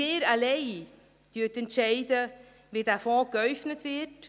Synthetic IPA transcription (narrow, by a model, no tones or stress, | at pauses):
eːɾaleɪ | d̥yətɛntʃɛɪdə | ʋidæfɔ̃ːkœʏfnətvɪt